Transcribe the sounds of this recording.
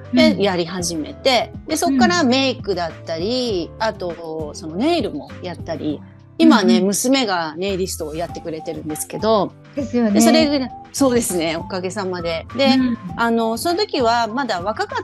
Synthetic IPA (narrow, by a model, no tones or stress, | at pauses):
d̪ejaɾʲiɦaʑime̞̰t̪e̞d̪e̞so̞kːaɾame̞ikɯ̟d̪at̪ːaɾʲiat̪o̞so̞no̞ne̞ːɾɯ̟mo̞jat̪ːaɾʲḭ | imane̞mɯ̟sɨme̞ɡane̞ːɾʲisɨ̥t̪o̞ːjat̪ːe̞kɯ̟ɾe̞t̪e̞ɾɯ̟̃nd̪e̞sɨ̥ke̞d̪o̞ | d̪eso̞ɾe̞ɡso̞ːd̪e̞sɨne̞o̞kaɡe̞samad̪e̞d̪eano̞sono̞t̪o̞kʲiβamad̪aβ̞akaka